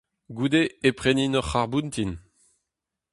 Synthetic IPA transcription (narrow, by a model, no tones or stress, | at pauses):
ɡud̪eepχeninɔʁːaʁbunt̪in